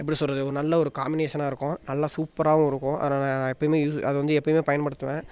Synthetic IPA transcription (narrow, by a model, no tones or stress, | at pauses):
ɛpːɐɽisɔlɾɐðɯɔɾɯnɐlːɐɔɾɯkaːmbɪneːʃɐnaːɪɾɯkːʊ̃nɐlːasuːpːɐɾaːʋʊ̃ɪɾɯkːʊ̃ʔɐ̰ːnaːnãːnãːɛpːɐɽɪmeːjuːsɐ̰ðɐʋɐnd̪ɯɛpːɐɽɪmeːpɐjɐnpɐɽɯt̪ːɯʋẽː